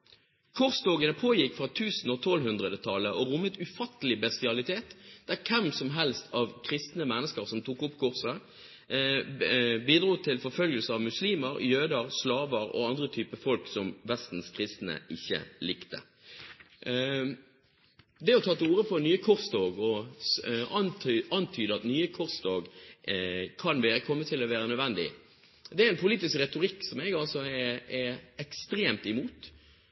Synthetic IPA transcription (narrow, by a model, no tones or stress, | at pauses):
kʰʊʁst̪oːɡənəpʰoːjɪkːfɾɑt̪ʰʉːsn̩ɔt̪ʰɔlɦʉnd̪ʁəd̪ət̪ʰɑlːəʔɔʁʊmːət̪ʉfɑt̪ːəlɪbɛst̪ɪɑlɪt̪ʰeːt̪d̪̥æʁkʰɛmsɔmɦɛlst̪ʰɑʋkʰʁɪst̪nəmɛnːəskəʁsɔmt̪ʰuːkʊpːkʰʊʁsə | biːd̪ɾuːt̪ʰɪlfɔɾfœlɡəlsəɑʋmʉsliːməɾjøːd̪əʁslɑːʋəɾɔ̰ɑnd̪ʁət̪ʰyːpəfɔlksɔmʋɛst̪n̩skʰʁɪst̪nə̰ɪçːə̰lɪkt̪ə̰ | d̪ɛɔt̪ʰɑt̪ːəuːɾəpʰɔnyːəkʰʊʁst̪oːɡɔ | ɑnt̪ʰyːd̪əɑt̪nyːəkʰʊʁsd̪ɑːɡ | kʰɑnʋeːɾəkʰɔmːət̪ʰɪlɔʋæːɾənœd̪ʋɛnd̪ɪ̰ | d̪ɛæɛnpʰʊliːt̪ɪskʁɛt̪ʊɾɪkːsɔmɛɡɑlsɔɛɛɛkst̪ɾeːmt̪ɪmuːt̪